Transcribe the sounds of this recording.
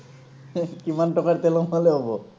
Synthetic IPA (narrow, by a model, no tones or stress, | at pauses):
kimanʈɔkaɾt̪elomɔleɦɔbo